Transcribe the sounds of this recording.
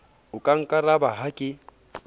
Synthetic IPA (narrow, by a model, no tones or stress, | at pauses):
ʊkʼaŋ̩kʼaɾabaɦakʼɪ